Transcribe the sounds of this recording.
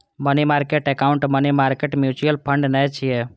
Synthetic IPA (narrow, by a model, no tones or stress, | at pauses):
mənimaɾkeʈekauɳʈmənimaɾkeʈmjut͡ʃujəlpʰəɳɖnəjt͡ʃʰije